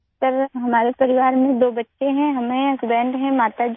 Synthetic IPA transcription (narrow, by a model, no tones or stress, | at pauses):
t̪əɾɦɐmaːɾepɐɾiʋaːɾmẽd̪oːbɐtːʃʰeɦɛ̃ɦɐmɦẽɐsbɛ̃ːɳɖɦɛ̃maːt̪ad͡ʒ